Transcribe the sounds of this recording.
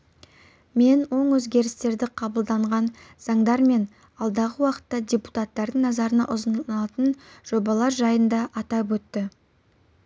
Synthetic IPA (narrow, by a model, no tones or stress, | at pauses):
me̞nwo̞ɴwɵzɡʲe̞ɾɪst̪e̞ɾd̪ɪqʰɑbəlˠd̪ɑɴʁɑnz̥ɑɴd̪ɑɾme̞n | ɑlˠd̪ɑʁəwɑqə̥t̪ːɑdʲepu̥t̪ɑt̪ːɑɾd̪əŋnɑzɑɾənɑ̰ʔʊzənɑt̪ənʒ̥o̞bɑlˠɑɾʒɑjənd̪ɑʔɑt̪ɑpwɵt̪ːɪ